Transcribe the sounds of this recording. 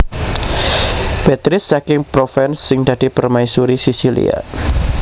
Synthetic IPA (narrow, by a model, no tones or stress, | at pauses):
b̥et̪ɾɪsːakɪŋpɾofɛnsːɪŋd̥̪a̤d̥i̤pərmajsuɾisisilḭa̰